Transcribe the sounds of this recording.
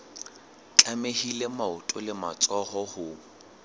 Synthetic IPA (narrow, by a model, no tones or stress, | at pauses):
t͡ɬʼamehilemaʊtʼʊlɪmat͡sʼɔhɔhʊ